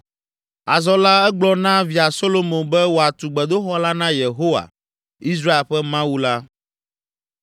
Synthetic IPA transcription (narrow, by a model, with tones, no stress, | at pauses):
a˨zɔ˦la˦ɛ˦ɡ͡blɔ˦nã˦vi˨a˨so˦lo˦mõ˨bɛ˦wo˨a˨t̪u˨ɡ͡bɛ˨d̪o˦xɔ˦la˦nã˦je˨ɦo˦wa̰˨ | i˦s̬ɾa˦e˨ɸɛ˦mã˦wu˦la˦